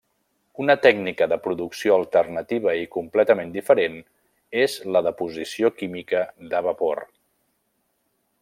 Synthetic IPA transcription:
unət̪ɛɡnikəðəpɾuðuksioəlˠt̪ərnət̪iβ̞əikumplɛt̪əmend̪ifəɾen | ezləðəpuzisiokimikəðəβəpo̰r

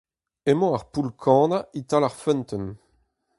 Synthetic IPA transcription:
emɔ̃aʁpulkʰɑ̃ːnaʔit̪alaʁfœnt̪ɔn

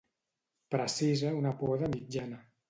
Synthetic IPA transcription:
pɾəsizəunəpɔðəmid͡ʒanə

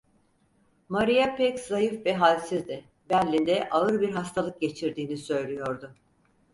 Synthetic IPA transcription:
maɾijapɛczajɯfvɛɦalʲsizd̪ɪ | bælʲːind̪ɛʔaɯɾbiɾɦast̪ʰalˠɯk̚ɟe̞t͡ʃʰiɾd̪iːnisø̞jlʲijo̞ɾd̪ʊ

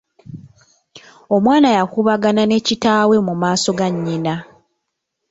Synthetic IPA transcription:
o̞mwaːnajakuβaɡanane̞citaːwe̞mumaːso̞ɡaɲːina

